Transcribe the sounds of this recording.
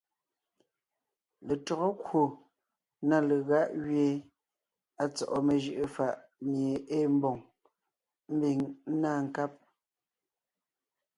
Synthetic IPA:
le˨tɔ˨ɣɔ˦kwo˨ | na˦˨le˨ɣa˦ʔɣɥje˦ | a˨t͡sɔ̰˨ʔɔ˨me˨ʒɯ˨ʔɨ˨fa˦˨ʔmje˨ʔe˦m˦bɔ˨ŋ | m̩˦bi˨ŋ̩˦naː˦ŋ̩˨ka˦p̚

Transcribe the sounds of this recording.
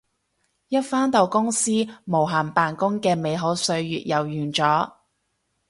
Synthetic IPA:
jɐ˥t̚faː˥nt̪o˨˧wkʊ˥ŋsiː˥mo˨˩wɦaː˨˩npaː˨˩nkʊ˥ŋkɛː˧me˨˧jɦo˨˥wsɵ˧ɥjy̰ː˨t̚jɐ˨˩wjyː˨˩nt͡sɔː˨˥

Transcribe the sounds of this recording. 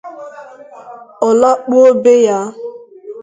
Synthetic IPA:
ɔ˨la˦k͡pu˦o˦be˦ja˦

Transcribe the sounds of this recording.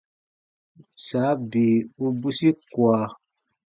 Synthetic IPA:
saː˨˦bi˨u˦bu˦si˦kwa˨

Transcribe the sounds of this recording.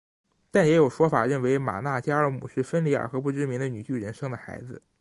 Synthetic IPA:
t̪a˥˩njɛ˧˥jo˨˩ʊʂwɔ˥fa̰˨˩ɻə˥˩nwe˧˥ɪma̰˨˩na˥˩t͡ɕja˥ə˞˧˥mu˨˩ʂɻ̩˥˩fə˥nli˥ə̰˞˨˩xɤ˧˥pu˥˩ʈ͡ʂɻ̩˥mi˧˥ŋd̪ə˧ny˨˩t͡ɕy˥˩ɻə˧˥nʂɤ˥ŋd̪ə˨xa˧˥ɪd͡zɹ̩˧

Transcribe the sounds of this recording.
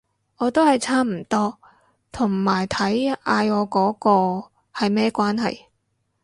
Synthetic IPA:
ʔɔː˨˧t̪o˥hɐ˨jt͡sʰaː˥m̩˨˩t̪ɔː˥ | t̪ʰʊ˨˩ŋmaː˨˩jt̪ʰɐ˨˥jaː˧jɔː˨˧kɔː˨˥kɔː˧ | hɐ˨jmɛː˥kʷwaː˥nɦɐ̰˨j

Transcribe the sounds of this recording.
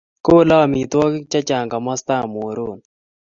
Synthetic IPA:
ko˦lɔ˦˨mi˨t̪wɔ˦kt͡ʃa˦t͡ʃa˨ŋɡa˨mɔ˦st̪a˦˨mo˨ɾo˦˨n

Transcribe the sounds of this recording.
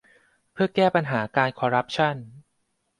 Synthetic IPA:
pʰɯ˥˩ɐkɛː˥˩pa˧nɦaː˩˦kaː˧nkʰɔː˧ɾa˦˥p̚t͡ɕʰa˥˩n

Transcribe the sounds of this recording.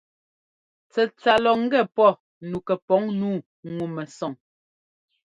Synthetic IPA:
t͡sɛ˨t͡sa˨lɔ˨ŋ̩˦ɡɛ˦˨pɔ˦˨ | nu˨kɛ˨pɔ˨˦ŋnuː˦˨ | ŋu˨mɛ˨sɔ˨ŋ

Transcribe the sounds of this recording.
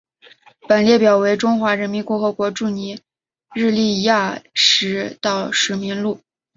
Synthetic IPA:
pə˨˩nljɛ˥˩pjɑ˨˩ʊwe˧˥ɪʈ͡ʂʊ˥ŋxwa˧˥ɻə˧˥nmi˧˥nkʊ˥˩xɤ˧˥kwɔ˧˥ʈ͡ʂu˥˩ni˧˥ | ɻɻ̩˥˧li˥˧ja˥˩ʂɻ̩˧˥t̪ɑ˥˩ʊʂɻ̩˧˥mi˧˥nlu˥˩

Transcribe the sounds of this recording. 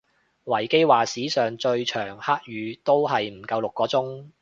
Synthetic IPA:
wɐ˨˩jke˥jwaː˨siː˨˥sœː˨ŋt͡ʃɵ˧ɥt͡ʃʰœː˨˩ŋhaː˥k̚jyː˨˧t̪o˥wɦɐ˨jm̩˨˩kɐ˧wlʊ˨kːɔː˨˥t͡sʊ˥ŋ

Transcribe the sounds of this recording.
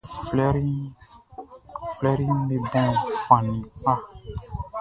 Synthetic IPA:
flɛ˦ɾi˦ | flɛ˦ɾĩ˦n˦le˨bɔ̃˦˨fã˨nĩ˨k͡pa˦˨

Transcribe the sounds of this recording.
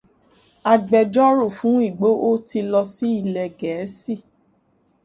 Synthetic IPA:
a˨ɡ͡bɛ˨d͡ʒɔ˦ɾo˦˨fũ˨˦i˦˨ɡ͡bo˨˦ʔo˦tʰi˧lɔ˧si˦i˦˨lɛ˨ɡɛ˨˦si˦˨

